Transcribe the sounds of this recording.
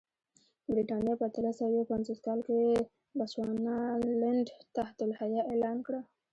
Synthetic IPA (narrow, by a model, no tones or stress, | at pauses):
bɾiʈɑnjɑpat̪alasajopanzoskɑlke | baswɑnalɪɳɖt̪aht̪ʊlhajaʔelɑnkɽa